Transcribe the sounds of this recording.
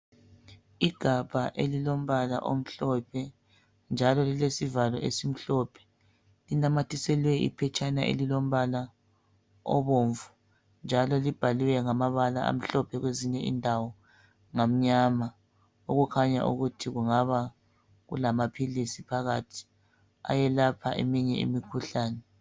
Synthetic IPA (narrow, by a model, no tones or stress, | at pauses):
iɡ̥ʱab̥ʱaʔelilom̩βala̰ʔo̰m̩ɬɔpʰɛ | nd͡ʒʱalɔlilesivalɔ̰ʔḛsim̩ɬɔpʰɛ̥ | linamatʰisɛlwɛʔḭpʰɛt͡ʃʼanaʔḛlilom̩βala | ɔ̰βoɱvu | nd͡ʒʱalɔlib̥ʱaliwɛŋamaβala̰a̰m̩ɬɔpʰɛɣweziɲɛʔḭndʱawɔ | ŋam̩ɲama | oɣukʰaɲa̰ʔṵɣutʰiɣuŋaβa | ɣṵlamapʰilisipʰaɣatʰi̥ | a̰jɛlapʰa̰ʔḛmiɲɛḭmikʰuɬaːnɛ